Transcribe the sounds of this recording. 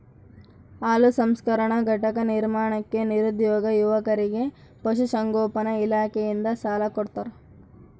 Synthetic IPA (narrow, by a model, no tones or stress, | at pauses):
aːlusɐmskɐɾɐɳɐɡʱɐʈɐkɐniɾmaːɳɐkːe̞niɾud̪jɔːɡɐjuʋɐkɐɾiɡe̞ | pɐʃusɐŋɡoːpɐnɐilaːkejind̪ɐsaːlɐkɔɽt̪ɐɾ